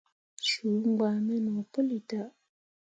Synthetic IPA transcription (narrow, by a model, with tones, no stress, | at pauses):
ʃu˨˦ŋ˦ɡa˨mɛ˦no˨po˦li˨ta˨ʔ